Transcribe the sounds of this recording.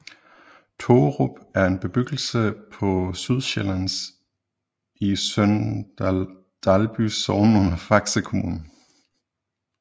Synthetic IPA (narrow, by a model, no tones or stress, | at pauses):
t͡sʰoʁob̥æɐe̝nb̥e̝b̥yɡ̥l̩səpʰɒ̽syðˠɕelæns | isøn | d̥ælb̥ysɒʊnɔnɐfɑ̈ɡ̥səkʰo̝mṵːnn̩